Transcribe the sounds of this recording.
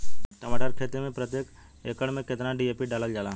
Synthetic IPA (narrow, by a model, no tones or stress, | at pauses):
t̪əmaːʈəɾkʰeːt̪imẽpɾət̪jeːk | ḛːkəɽmẽket̪naɖieːpiɖaːləld͡ʒaːla